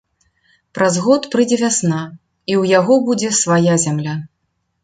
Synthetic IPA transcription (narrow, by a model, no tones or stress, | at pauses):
pɾazɣɔt̪pɾɨd͡zʲɛvʲasna | iwjaɣɔbud͡zʲɛsvajazʲamlʲa